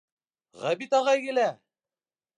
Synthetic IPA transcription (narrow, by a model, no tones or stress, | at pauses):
ʁæbit̪ɑʁɑjɡɘ̆læ